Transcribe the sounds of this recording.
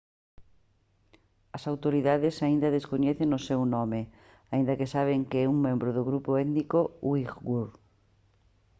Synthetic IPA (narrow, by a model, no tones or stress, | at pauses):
ɐsawt̪oɾiðaðɪsaind̪ɐðeskoɲɛθeŋʊsɛwnɔmɪ | aĩnd̪ɐkɪsaβ̞eŋkɪɛuŋmẽmbɾʊðʊɣɾupoɛðnikowiɣɡuɾ